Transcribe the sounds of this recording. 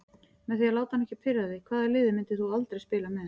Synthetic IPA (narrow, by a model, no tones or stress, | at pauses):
mɛðθialaːwt̪ahanːɛhcɪpʰfɪɾðaððɪkʰvaːðaɾlɪːðɪmɪnt̪ɪ̥θualt̪ɾejspɪːlamɛð